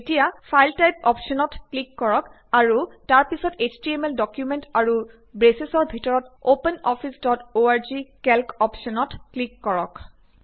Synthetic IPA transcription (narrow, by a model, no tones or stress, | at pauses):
etijapʰajltajp̚ɔpʃɔnɔtklikːɔɹɔk | aɹutaɹpisɔtet͡ʃdiemeldɔkjumentaɹu | bɹesesɔɹbʱitɔɹɔtopenɔfʰisdɔtoaɹzikɛlkɔpʃɔnɔtklikːɔɹɔ̰k